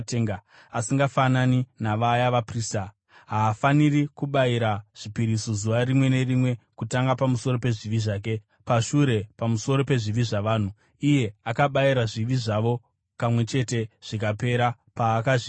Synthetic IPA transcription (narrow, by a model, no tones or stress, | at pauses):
teŋɡa | asiŋɡafananinaʋajaʋapriːsta | ɦaːfanirikuɓaiɾaʐ̥ipiɾisozuʋarimwe̞ne̞rimwe̞kutaŋɡapamuso̞ɾope̞ʐiʋiʐaːk̬e̞ | paʃuɾe̞pamuso̞ɾo̞pe̞ʐiʋiʐaʋaːn̤u | ije̞akaɓaiɾaʐiʋiʐaʋo̞ | pamwe̞t͡ʃe̞te̞ʐ̥ikape̞ɾa | paːkaʐi